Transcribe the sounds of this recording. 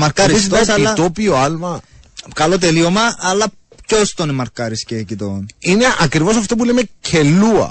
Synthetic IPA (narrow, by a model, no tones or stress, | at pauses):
mɐɾkɐɾisit̪sɐnɐt̪opioɐlmɐ | kɐlot̪̬eliomɐʔːlːɐ | cost̪onemɐɾkɐɾiscecit̪onine̞ʔɐkɾivo̞sɐft̪op̬ulemecʰelːuɐ̰